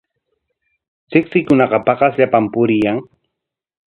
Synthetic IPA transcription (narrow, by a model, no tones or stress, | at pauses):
t͡ʃɪksɪjkʊnɑqɑpɑqɑsʎapampʊɾɪjaŋ